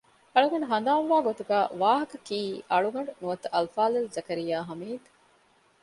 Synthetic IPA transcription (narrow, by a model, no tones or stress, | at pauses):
ɐɭuɡɐɳɖuɦɐnd̪aːmʋaːɡot̪uɡaːʋaːɦɐkɐkiːʔɐɭuɡɐɳɖunuʋɐt̪ɐɐlfaːlelzɐkɐɾijaːɦɐmiːd̪